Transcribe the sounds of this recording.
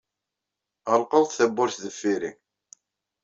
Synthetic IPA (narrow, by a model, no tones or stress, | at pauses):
əlˤqəðˤθθæbːʊɾθðəfːiɾiŋ